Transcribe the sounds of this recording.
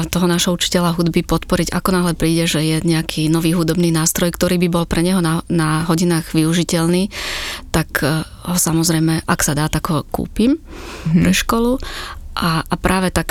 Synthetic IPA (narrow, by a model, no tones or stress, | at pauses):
t̪ɔɦɔnaːʒɦɔut͡ʃi̥cɛʎaɦud̪bipɔt̪pɔɾiɟa̰kɔnaɦlɛpɾiːɟɛʒɛjɛɲɛakʰiːnɔʋiːɦud̪ɔbniːnaːst̪ɾɔjkt̪ɔɾiːbibɔlpɾɛɲɛɦɔnanaɦɔɟinaːɣʋiuʒicɛʎniːt̪ak | ɦɔsamɔzɾɛjmɛʔaksad̪aːt̪akɦɔkṵːpim | pɾɛʃkɔluʔaːpɾʔaːʋɛt̪ak